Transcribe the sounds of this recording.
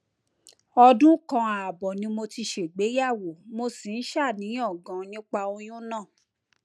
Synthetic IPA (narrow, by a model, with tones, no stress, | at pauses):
ɔ˧dũ˦kã˧a˨bɔ˨nĩ˦mo˧ti˧ʃe˨ɡ͡be˨˦ja˦˨wo˨mo˧sĩ˨n̩˦ʃa˦˨nĩ˨˦ɔ˦˨ɡã˨nĩ˦k͡pa˧o˧j̃ũ˦nã˦˨